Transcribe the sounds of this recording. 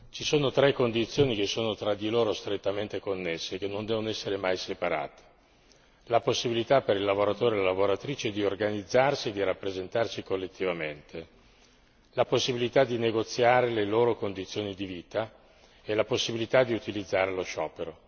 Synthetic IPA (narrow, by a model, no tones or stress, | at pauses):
t͡ʃisoːnot̪ɾɛkːond̪it̪sːjoːnik̟esːoːnot̪ɾad̪iloːɾost̪ɾet̪ːament̪ekonːesːek̟enːond̪ɛːvonoɛsːeɾemajsepaɾa̰ːt̪e̥ | laposːibilit̪apeɾilːavoɾat̪oːɾelalavoɾat̪ɾiːt͡ʃeɛd̪iorɡanid̪zːarsied̪ːiɾapːɾezent̪arsikolːet̪ʰːivament̪ʰe | laposːibilit̪ad̪ineɡot̪sːjaːɾeleloːɾokond̪it̪sːjoːnid̪iviːt̪a | elaposːibilit̪ad̪ːiut̪ilid̪zːaːɾeloʃɔːpeɾo